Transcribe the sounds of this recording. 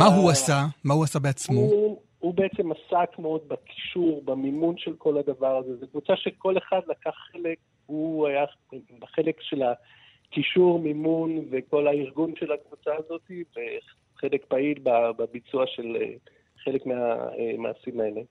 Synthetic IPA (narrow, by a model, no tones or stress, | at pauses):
maɦuasamahuasabeat͡smo | hubeet͡se̞masakmeo̞d̪̚bakʰi̥ʃuʁbamimunʃelko̞lad̪avaʁaze̞zekvut͡saʃeko̞le̞χad̪lakaχːe̞lek̚ | huaja | baχe̞le̞kʃe̞la | kiʃuʁmimunve̞ko̞laiʁɡunʃe̞lakvut͡saːzot̪ive | χe̞lekpailbababit͡suaʃe̞lḛ | χe̞lekmea̰ḛma̰ːsimae̞le̞